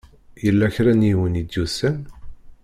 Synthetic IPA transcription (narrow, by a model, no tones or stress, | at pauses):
jəlːæçɾænjiwənid̪jusæn